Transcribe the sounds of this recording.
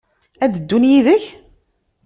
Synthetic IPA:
æd̪əd̪ːunjiðəç

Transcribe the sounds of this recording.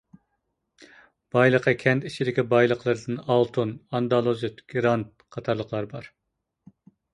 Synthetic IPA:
b̥ɑjlˠəqːəkʲʰɛnt̪it͡ʃʰid̪ɪkʲibɑjlˠəqlˠɨɾɨd̪ɨnɑlˠt̪ʰunɑnd̪ɑlˠozɪt̪ɡ̥ʲɾɑnt̪̚ | qʰɑt̪ʰɑɾlˠəqlˠɑɾbɑɾ

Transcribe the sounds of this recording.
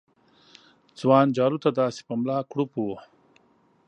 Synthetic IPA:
d͡zwɑːnd͡ʒaːɾut̪ad̪aːsi̥pɐmlɑːkɽupu

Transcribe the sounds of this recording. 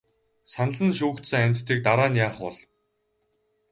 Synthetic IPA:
sanə̆ɮə̆nʃ̬uːkt̪sɘ̆ŋæmʲt̪ːiːk̚t̪aɾaːnjaːχʊɮ

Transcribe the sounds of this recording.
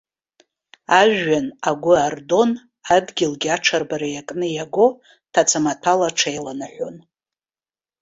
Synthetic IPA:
aʒːanaɡʷʊardo̞n | adɡʲɪlɡʲɪaʈ͡ʂʰarbaɾajakʼnɨjaɡʷo̞ | tʰat͡sʰamatʰalaʈ͡ʂʰejlanaħʷon

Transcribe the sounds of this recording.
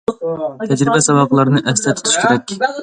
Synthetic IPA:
t̪ʰɛd͡ʒɾɪbɛsɑwɑqəlˠɑɾɨnɨʔɛst̪ɛt̪ʰy̥t̪ʰy̥ʃkʲʰeɾɛkʲ

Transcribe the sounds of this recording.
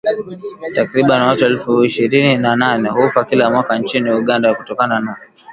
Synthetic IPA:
takɾiɓaniwatuɛlfuiʃiɾininananɛhufakilamwakant͡ʃiniuɠandakutɔkanana

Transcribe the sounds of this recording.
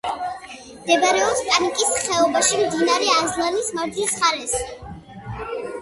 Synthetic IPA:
md̪ɛbaɾɛɔpspʼanikʼisχɛɔbaʃimd̪inaɾɛazlˠanismaɾd͡ʒ̪isχaɾɛsi

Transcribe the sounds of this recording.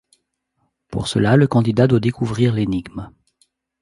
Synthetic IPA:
pṵʁsə̰laləkɑ̃d̪id̪ad̪wad̪ekuvʁiʁleniɡm

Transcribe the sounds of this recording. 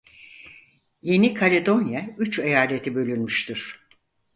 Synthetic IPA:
je̞nikʰalʲed̪o̞njayt͡ʃejaːlʲe̞t̪ʰibø̞lʲynmyʃt̪ʰyɾ̥

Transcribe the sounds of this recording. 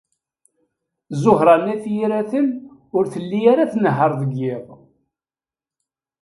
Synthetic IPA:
zʊɦɾˤɑnæθjiɾæθənʊɾθəlːijaɾaθnəɦəɾˤðəɡːɪðˤ

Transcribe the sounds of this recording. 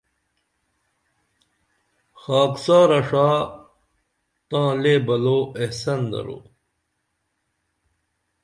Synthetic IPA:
xaːksaːɾɐʂaː | t̪ãːleːbɐloːehsɐnd̪ɐ̰ɾo̰ː

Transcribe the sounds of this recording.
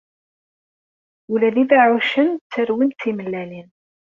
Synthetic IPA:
ulæliðaʕuʃənt͡sːəɾwint͡sːiməlːælin

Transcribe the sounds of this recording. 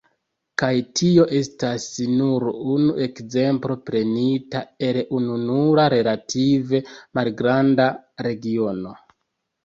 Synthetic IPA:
kajtʰio̞ʔe̞stasnuɾunue̞kze̞mpɾo̞pɾe̞nitae̞lununuɾaɾe̞latʰive̞malɡɾandaɾe̞ɡio̞no̞

